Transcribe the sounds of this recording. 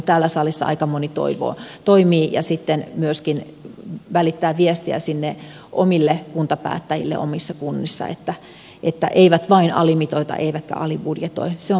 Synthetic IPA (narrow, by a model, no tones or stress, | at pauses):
t̪æːlːæsɑlˑisːɑ̰ɑ̰ikɑmonit̪o̰iʋo̰ːt̪oimiːjɑ̰sit̪ːenmyøskin | ʋælit̪ːæːʋiest̪iæ̰sinːe | ʔomilːekunt̪ɑpæ̰ːt̪ːæjḭlːḛʔo̰misːɑkunːisːɑ̰ḛt̪ːæ | ʔet̪ːæ̰ʔeiʋæt̪ʋɑinɑ̰limit̪oit̪ɑ̰ʔeiʋæt̪kæ̰ɑlibudjet̪o̰iseo